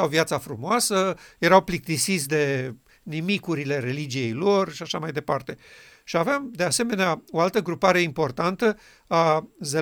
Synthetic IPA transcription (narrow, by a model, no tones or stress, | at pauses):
awviat̪safɾumoasəje̞ɾawplik̚t̪isisʲd̪e̞ | nimikuɾile̞ɾe̞lid͡ʒije̞jlo̞rʃiaʃamajd̪e̞part̪e̞ | ʃiavamd̪e̞ase̞me̞neao̞alt̪əɡɾupaɾe̞impo̞rt̪ant̪ə | aze